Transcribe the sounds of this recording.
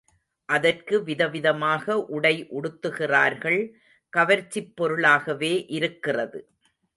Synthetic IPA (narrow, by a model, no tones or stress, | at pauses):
ʔɐðɐrkɯʋɪðɐʋɪðɐmaːɣɐʔʊɽɐɪʔʊɽɯt̪ːɯɣɪraːɾɣɐɭ | kɐʋɐɾt͡ʃːɪpːɔɾɯɭaːɣɐʋeːʔɪɾɯkːɪrɐðɯ